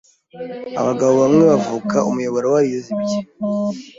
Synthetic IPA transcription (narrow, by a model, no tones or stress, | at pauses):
a̰βaɡaβoβamŋe̞βavuːkʰaʔumujo̞βoɾowaɾijoziβiɟe